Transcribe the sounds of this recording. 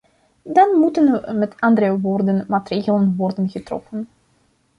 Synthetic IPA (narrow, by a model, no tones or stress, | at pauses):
dɑnmutənʋəmɛtɑndəɾəʋoːrdənmaːtreːɣələnʋɔrdənɣətrɔ̰fən